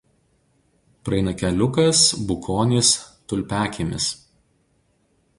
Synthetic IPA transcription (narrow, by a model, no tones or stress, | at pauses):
pɾɐɛɪnɐkʲɛlʲʊkɐsbʊkʰoːnʲɪst̪ʊlʲpʲæːkʲeːmʲɪs